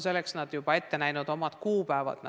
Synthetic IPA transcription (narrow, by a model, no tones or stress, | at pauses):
se̞lːeksnɑd̪̥jub̥ɑe̞t̪ːe̞næjnud̪o̞mɑd̪̥kuːpæevɑ̰d̪̥nɑ